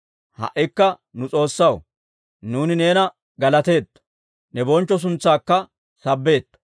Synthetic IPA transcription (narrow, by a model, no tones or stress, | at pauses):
hɐ̰ʔːɪkːɐ | nʊt͡sʼo̞ːsːɐw | nuːnɪne̞ːnɐ | ɡɐlɐt̪e̞ːt̪ːɐ̥ | nɛbɔnt͡ʃːɔs̬ʊnt͡sːaːkːɐ | sɐbːe̞ːt̪ː